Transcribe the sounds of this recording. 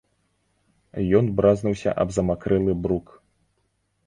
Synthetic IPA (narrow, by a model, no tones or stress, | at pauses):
jɔnbɾaznuwsʲɐ̰ʔɐ̰bzɐmakɾɛlˠɨbɾuk